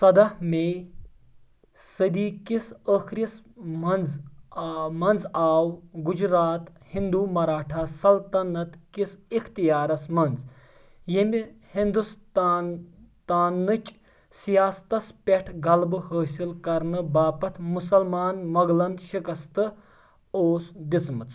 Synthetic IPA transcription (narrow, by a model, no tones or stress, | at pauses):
sɐd̪ɐhme | sɐd̪iːkisəkʰɾis | mɐnz | mɐnzaːwɡud͡ʒɾaːt̪hĩnd̪uːmɐɾaːʈʰasɐlt̪ɐnɐt̪kisikʰt̪ijaːɾɐsmɐnz | jemʲihind̪us | t̪aːnːɨt͡ʃʼ | sijaːst̪ɐspʲeʈʰɡɐlbɨhəːsilkɐɾnɨbaːpɐt̪ʰmusɐlmaːnmɐɡlɐnd̪ʃikɐst̪ɨ | oːsd̪it͡smɐt͡sʼ